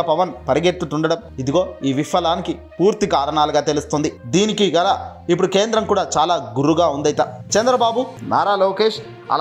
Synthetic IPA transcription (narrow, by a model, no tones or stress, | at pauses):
pɐʋɐnpɐɾiɡet̪ːut̪uɳɖɐɽɐmid̪iɡo̞ːiːʋifɐlaːniki | puːɾt̪ikaːɾɐɳaːluɡaːt̪e̞lust̪ond̪id̪iːnikiɡɐlaːip̬ːuɽuke̞ːnd̪ɾɐmkuːɽaːt͡ʃaːlaːɡuɾuɡaːund̪ɐjt̪ɐt͡ʃɛnd̪ɾɐbaːbuna̰ːɾaːloːkeːʂ | ɐ̰l